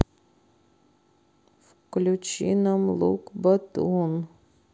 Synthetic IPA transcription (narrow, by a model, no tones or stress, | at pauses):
f | klʲut͡ʃḭnamlˠṵkbat̪un